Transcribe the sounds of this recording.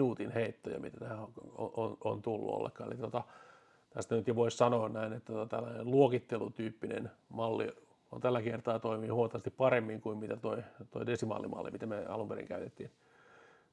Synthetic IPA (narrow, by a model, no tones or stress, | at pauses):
nuːt̪inheit̪ːojɑ̰mit̪æt̪æhæoʔono̰nt̪ulːṵo̰lːḛkːɑːnḛlit̪ot̪ɑ | t̪æst̪ænyt̪jɑʋoissɑnoːnnæinet̪ːæot̪ɑt̪ælːænelluokit̪ːelut̪yːpːinḛnmɑlːḭ | o̰nt̪ælːækert̪ɑːt̪oimihuot̪ːˑɑʋɑst̪ippɑremːiŋkuimmit̪æt̪oit̪oidesimɑ̰lːḭmɑ̰lːḭmit̪æmeɑ̰lumpeɾḭŋkæyt̪et̪ːin